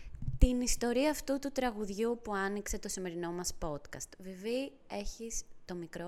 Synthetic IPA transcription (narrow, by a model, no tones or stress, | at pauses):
t̪inist̪o̞ɾiɐːft̪ut̪ut̪ɾɐɣuðʝupuɐnikse̞t̪o̞sime̞ɾino̞mɐspo̞t̪kɐst̪vivi | e̞çist̪o̞mikɾo